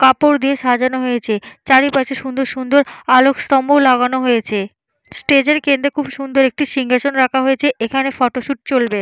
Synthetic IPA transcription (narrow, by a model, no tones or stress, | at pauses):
kapoɾd̪ieʃad͡ʑanoɦojet͡ɕʰet͡ɕaɾipat͡ɕʰeʃund̪oɾʃund̪oɾalokst̪ɔmbolaɡanoɦojet͡ɕʰe | sʈed͡ʑeɾkend̪ɾekʰubʃund̪oɾek̚ʈiʃiŋɡʱat͡ɕonɾakʰaɦojet͡ɕʰeʔekʰanefɔʈoʃuʈ̚t͡ɕolbe